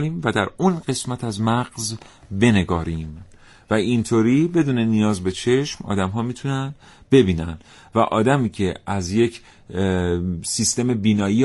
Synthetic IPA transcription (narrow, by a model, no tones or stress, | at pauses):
ɾiːmvæd̪æɾunɢe̞smæt̪ʰæzmæɢzbe̞ne̞ɡɒːɾiːm | væint̪ʰoːɾiːbe̞d̪uːne̞nijɒːzbe̞t͡ʃʰe̞ʃmɒ̰ːd̪æmɦɒːmiːt̪ʰunæn | be̞biːnænd̪ | væʔɒːd̪æmiːcʰe̞æzje̞cʰ | siːst̪e̞mebiːnɒːjiː